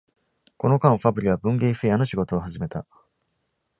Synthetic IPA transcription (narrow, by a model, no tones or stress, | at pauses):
ko̞no̞kãɰ̃ɸabɯ̟ɾʲiβ̞abɯ̟̃ŋɡeːɸejano̞ɕiɡo̞t̪o̞ːɦaʑime̞t̪a